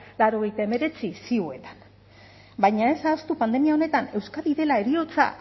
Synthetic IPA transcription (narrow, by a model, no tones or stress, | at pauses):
laɾo̞ɣ̞e̞jt̪aeme̞ɾe̞t͡sisiue̞t̪ḁn | bajɲae̞sast̪upand̪e̞miao̞ne̞t̪ane̞wskaðiðe̞lae̞ɾio̞t͡sa̰